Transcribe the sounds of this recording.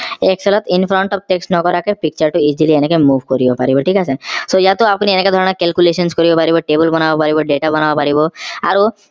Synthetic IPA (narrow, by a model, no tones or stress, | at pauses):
eksʰelɔt̪inpʰɾɔɳʈɔb̚ʈeksʈnɔkɔɾakepik̚t͡ɕaɾʈuid͡ʑilienekemubʱkoɾibopa̰ɾibɔʈʰikasʰesojat̪oapnieneked̪ʱɔɾɔnakelkuleʃɔnskoɾibopaɾibɔʈebɔlbɔnabapaɾibɔɖeʈabɔnabapaɾiboa̰ɾo